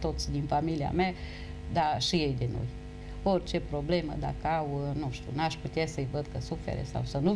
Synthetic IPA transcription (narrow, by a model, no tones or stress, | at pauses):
t̪o̞t̪sʲd̪infamilia̰mea | d̪aʃije̞jd̪e̞no̞̰j | o̞rt͡ʃe̞pɾo̞ble̞mə̰d̪a̰kəawnuʃt̪ʲṵnaʃput̪easəjvəd̪kəsufḛɾḛsa̰wsənu